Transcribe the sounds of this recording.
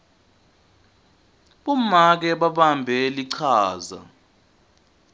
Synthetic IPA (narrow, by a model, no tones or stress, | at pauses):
ɓumak̬ɛɓaɓambʱɛliǀʰaːza̰